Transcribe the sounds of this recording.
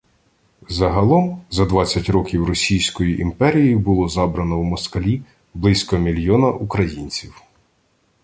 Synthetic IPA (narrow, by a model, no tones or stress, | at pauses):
zɐɦɐlˠɔmzɐd̪ʋɑt͡sʲːɐtʲɾɔkʲiwrɔsʲijsʲkɔjiʔimpɛɾʲijibʊlˠɔzɑbɾɐnɔwmɔskɐlʲi | blˠɪsʲkɔmʲilʲjɔnɐʔukɾɐjinʲt͡sʲiw